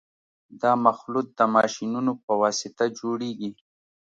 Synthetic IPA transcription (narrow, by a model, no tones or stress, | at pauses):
d̪ɑmaxlut̪̚d̪əmɑʃinunopəwɑsɪt̪ad͡ʒoɽeɡi